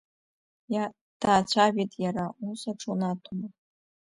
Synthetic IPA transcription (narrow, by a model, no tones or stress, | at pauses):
ja | d̥aːt͡ɕʷʰaɥitʼjaɾausaʈ͡ʂʰunatʰuma